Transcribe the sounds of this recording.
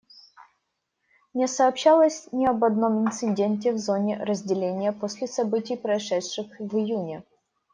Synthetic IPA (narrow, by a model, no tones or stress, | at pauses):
mnʲesɐːpɕːalˠəsʲnʲɪɐbɐd̪no̞mɪnt̪sɨdʲenʲtʲɪvzo̞nʲɪrəzʲdʲɪlʲenʲɪjəposʲlʲɪsɐbɨtʲɪjpɾɐɪʂɛtʂɨxvɨjunʲɪ